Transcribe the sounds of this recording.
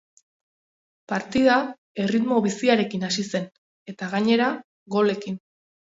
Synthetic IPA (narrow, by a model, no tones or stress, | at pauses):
paɾt̪iða | e̞rit̪mo̞β̞isiaɾe̞kinasise̞n | e̞t̪aɣaɲe̞ɾa | ɣo̞le̞kin